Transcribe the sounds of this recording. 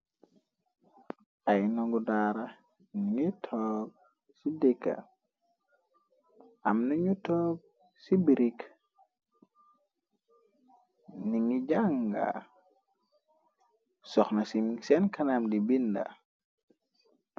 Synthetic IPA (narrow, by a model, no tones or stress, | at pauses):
ʔajnɔŋɡudaːɾa | niŋitʰɔb̚ | sidɛkːa̰ | ʔamnaɲutɔːb̚ | sibiɾik | niŋiɟaŋɡa̰ | sɔxnasimsɛnkanamdibinda̰